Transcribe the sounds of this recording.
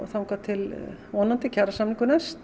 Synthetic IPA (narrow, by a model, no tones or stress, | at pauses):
θawmkʰaːt̪ʰɪlvɔnːant̪ɪcʰaɾasamniŋkʏnɛst̪